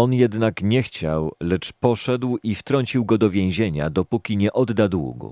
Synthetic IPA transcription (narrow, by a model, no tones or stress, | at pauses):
ɔnjɛd̪nakɲɛxt͡ɕa̰wlɛt͡ʂpɔʂɛd̪wift̪ɾɔɲʲt͡ɕiwɡɔd̪ɔvʲjẽw̃ʑeɲa̰d̪ɔpukʲiɲɛʔɔd̪ːad̪wṵɡṵ